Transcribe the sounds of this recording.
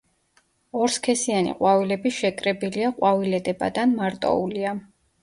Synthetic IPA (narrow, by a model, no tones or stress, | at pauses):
ɔɾskʰɛsianḭqʼwavilɛbiʃɛkʼɾɛbiliaqʼwavilɛd̪ɛba̰d̪anmaɾt̪ʼɔ̰ulia